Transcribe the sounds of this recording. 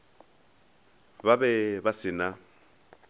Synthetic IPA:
babɛbasɪna

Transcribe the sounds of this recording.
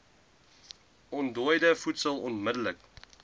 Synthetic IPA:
ɔndɔəjdəfutsəlˠɔnmədələk

